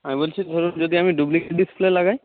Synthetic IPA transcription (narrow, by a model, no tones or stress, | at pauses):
amibolt͡ʃʰid̪ʱoɾund͡ʒod̪iamiɖublikeɖisplelaɡaj